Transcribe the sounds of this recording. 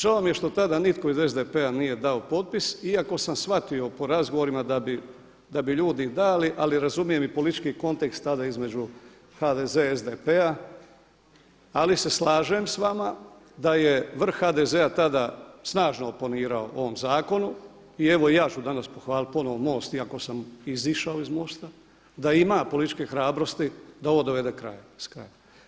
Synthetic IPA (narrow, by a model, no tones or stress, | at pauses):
ʒalomje̞ʃt̪o̞t̪ad̪anit̪ko̞ize̞zd̪epeanije̞d̪ao̞po̞t̪̚pisiako̞samsʋat̪io̞po̞ɾazɡoʋo̞ɾimad̪abi | d̪abiʎuːd̪id̪aːliʔaliɾazumije̞mipolit̪i̥t͡ʃkiko̞nt̪ekst̪ːad̪aizme̞d͡ʒu | had̪ezeezd̪epea | alise̞slˠaːʒemsʋama | d̪aje̞ʋr̩xxad̪ezeat̪ad̪asnaːʒnooponiːɾaoʔo̞ʋo̞mzaːko̞nu | ie̞ʋo̞ijaːt͡ʃud̪anaspo̞xʋaːlit̪̚po̞noʋomo̞ːst̪iako̞samiziʃaoizmo̞st̪a | d̪aimaːpo̞lit̪i̥t͡ʃkexɾaːbɾo̞st̪id̪ao̞ʋod̪o̞ʋe̞d̪e̞kɾa̰jaskɾa̰ja